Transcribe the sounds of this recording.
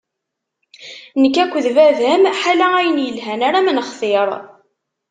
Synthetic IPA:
nəkːækʷːəðvævæmħalææjənjəlɦænaɾamənχθɪɾˤ

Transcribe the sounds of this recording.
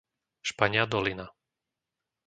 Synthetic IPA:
ʃpaɲɪad̪ɔlina

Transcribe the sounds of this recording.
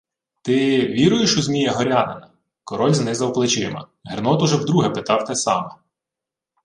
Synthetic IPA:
t̪ɪʋʲiɾʊjɪʃʊzʲmʲijɛɦɔɾʲɑnɐnɐ | kɔɾɔlʲznɪzɐwplˠɪt͡ʃɪmɐ̰ | ɦernɔt̪ʊʒɛwd̪ɾuɦɛpɪt̪ɑwt̪ɛsɑ̰mɐ

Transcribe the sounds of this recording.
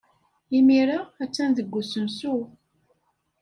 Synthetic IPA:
imiɾaæt͡sːænðəɡːusənsu

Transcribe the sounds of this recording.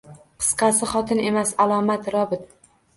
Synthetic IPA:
qʰɨ̥sqɑsɪχɒt̪ʰɪne̞masalˠɒmat̪ɾɒbɪt̪

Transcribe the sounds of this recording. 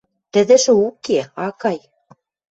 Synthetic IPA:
t̪ɘ̆ðɘ̆ʃɘ̆ukeɑkɑj

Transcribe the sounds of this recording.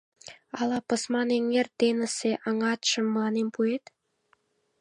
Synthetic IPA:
ɑlɑpə̆smɑneŋert̪enə̆seʔɑŋɑt̪ʃə̆mːɑnempuet̪

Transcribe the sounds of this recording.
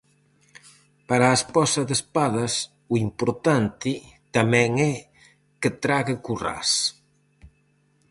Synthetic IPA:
paɾaespɔsɐðespaðɐs | uimpoɾt̪ant̪ɪt̪amɛ̃ŋɛ | kɪt̪ɾaɣɪkura̰s

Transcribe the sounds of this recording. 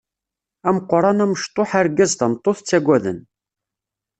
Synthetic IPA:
æməqːɾˤɑnæməʃt̪ˤoħaɾɡæzt̪æmt̪ˤːoθt͡sːæɡʷæðə̰n

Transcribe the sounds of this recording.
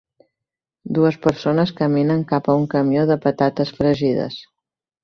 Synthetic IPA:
d̪uəspəɾsonəskəminəŋkapəuŋkəmioðəpət̪at̪əsfɾəʒiðə̰s

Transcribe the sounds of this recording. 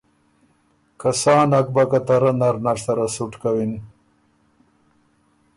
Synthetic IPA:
kasaːnak̚bakat̪ɐɾanaɾnaɾsɐɾasuʈkawin

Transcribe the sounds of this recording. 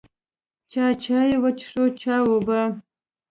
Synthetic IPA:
t͡ʃʰaːt͡ʃʰaːjewɐt͡ʃʰʂot͡ʃʰaːwoba

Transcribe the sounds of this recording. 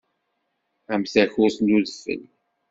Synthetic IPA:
æmθæçʊɾsnuðəfə̰l

